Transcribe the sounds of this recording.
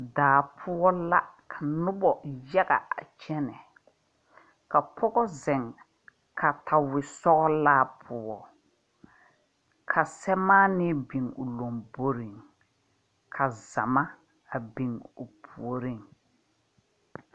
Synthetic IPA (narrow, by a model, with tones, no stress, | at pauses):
daː˨pʰʊ˦ɔ˦la˦kʰa˨nʊ˦bɔ˨jɛ˦ɡa˨a̰˨t͡ʃɛ˦nɛ˨ | ka˨pʰɔ˦ɡɔ˦zɛ˨ŋ | kʰa˨ta˨wɪ˨sɔ˦ɣɔ˦laː˦pʰʊ˦ɔ˨ | kʰa˨sɛ˦maː˦nɪ˦bi˨ŋʊ˨lo˨mbo˦ɾi˨ŋ | kʰa˨za˨ma˦ | a˨bi˨ŋʊ˨pʰu˨o˨ɾi˦˨ŋ